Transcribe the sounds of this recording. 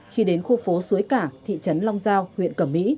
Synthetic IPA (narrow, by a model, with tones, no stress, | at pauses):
xi˧ɗe˨˦nxo˧fo˨˦su˨˦əjkaː˧˩t̪ʰḭ˧˨t͡ɕə˨˦nlɔ˧wŋ͡mzaː˧whwḭ˧˨ənkə˧˩mːḭ˧˥